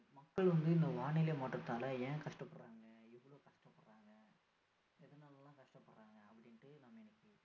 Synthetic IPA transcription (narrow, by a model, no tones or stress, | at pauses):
mɐkːɐɭʋɐnd̪ɯɪnd̪ɐʋaːɳɪlemaːʈːɾɐt̪ːaːlɐẽːkɐʂʈɐpːɐɽɾaːŋɡɐɪʋɐɭoːkɐʂʈɐpːɐɽɾaːŋɡɐ | ɛðɐnaːlɐlãːkɐʂʈɐpːɐɽɾaːŋɡɐɐpːɐɽɪnʈːɯnamːɐɪnɪkːɯ